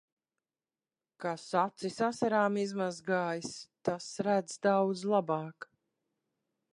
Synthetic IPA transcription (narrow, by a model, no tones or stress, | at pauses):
kasat̪sisasaɾaːmizmazɡaːjist̪asɾæd̪zd̪awd̪zlˠabɑːk